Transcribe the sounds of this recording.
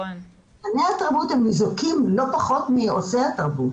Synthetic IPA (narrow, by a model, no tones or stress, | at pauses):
hanehataʁbut̪hemːizukimlo̞paχo̞t̪miosehat̪aʁbut